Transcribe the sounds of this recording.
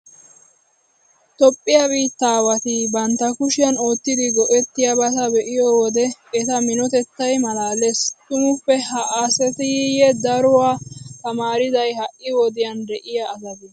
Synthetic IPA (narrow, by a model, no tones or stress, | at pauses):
t̪ɔpʼːɪjabiːt̪ːaːwɐt̪ɪbɐnt̪ːɐkʊʃɪjɐno̞ːt̪ːɪd̪ɪɡɔʔɛt̪ːɪjɐbɐt̪ɐbɛʔɪjɔwɔd̪ɛɛt̪ɐmɪnɔt̪ɛt̪ːɐjmɐlaːlest̪ʊmʊpːɛhɐʔasɛt̪ɪjɛd̪ɐɾʊwaːt̪ɐmaːɾɪzɐjhɐʔʔːɪwɔd̪ɪjɐnd̪ɛʔɪjaːzɐd̪ɛ